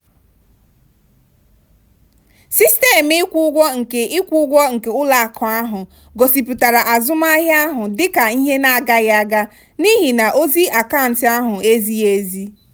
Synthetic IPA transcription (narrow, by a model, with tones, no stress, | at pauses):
si˦ste˦˨m˦ɪ˦kʷu˦ɡʷɔ˦ŋ̩˨ke˨ʔɪ˦kʷu˦ʊ˦ɡʷɔ˦ŋ̩˨ke˨ʊ˦la˨kʰɔ˨a˦ɦʊ˨ | ɡo˨si˨pu˨ta˨ɾa˨ʔa˨zʊ˦m˦a˦ɦa˦ɦʊ˨dɪ˦ka˨i˦ɦe˦na˦˨ɡa˦ɣa˦ɡa˦ | ni˦ɦi˨na˨ʔo˦zi˦a˨ka˦˨n̩˨tɪ˦a˦ɦʊ˨e˦zi˦e˦zi˦